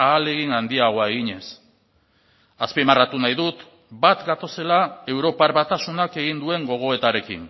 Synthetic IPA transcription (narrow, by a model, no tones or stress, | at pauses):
aːle̞ɣinand̪iaɣ̞o̞ae̞ɣiɲe̞s | aspimarat̪unajðut̪ | bat̪ɡat̪o̞se̞lae̞wɾo̞paɾβat̪asunake̞ɣind̪ue̞ŋɡo̞ɣ̞o̞e̞t̪aɾe̞kḭn